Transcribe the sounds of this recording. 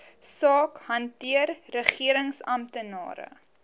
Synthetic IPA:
sɑːkhɐntiərːəχiəɾəŋsɐmtənɑ̰ːɾə̰

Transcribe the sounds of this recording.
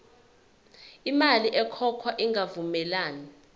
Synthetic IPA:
imaliʔɛkʰɔkʰwaʔiŋɡʱavumɛlaːni

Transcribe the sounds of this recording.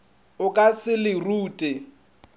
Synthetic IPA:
ʊkʼasɪlɪruːtʼɛ

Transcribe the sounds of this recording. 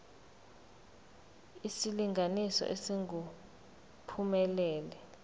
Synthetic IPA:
isiliŋɡʱanisɔ̰ʔesiŋɡu | pʰumɛlɛːlɛ

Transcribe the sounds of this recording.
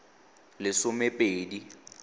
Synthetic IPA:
lɪsʊmepʼeːdi

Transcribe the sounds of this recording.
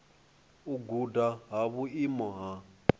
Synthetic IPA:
uɡudaɦaβuimɔɦa

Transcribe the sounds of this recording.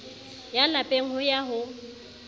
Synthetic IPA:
jalapʼeŋ̩hʊjaɦʊ

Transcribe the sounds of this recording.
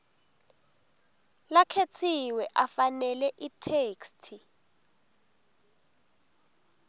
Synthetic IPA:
lakʰet͡sʰiwɛʔafanɛlɛʔitʰeːkstʰi

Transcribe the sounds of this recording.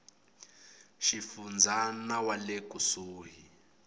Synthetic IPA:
ʃifund͡zʱanawalekʼusuːɦi

